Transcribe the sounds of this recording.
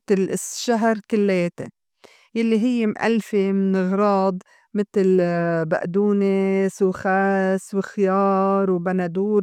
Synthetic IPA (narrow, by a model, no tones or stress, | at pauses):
t̪ɪlʔɪsʃaɦɾkɪlːeːt̪ɪ̰ | jalːiɦɪjːemʔa̰lfemɪnɣɾˤɑːd̪ˤ | mɪt̪ɪlba̰ʔd̪uːnesuwxaːswɪxɪjɑːɾˤwbanad̪uːɾ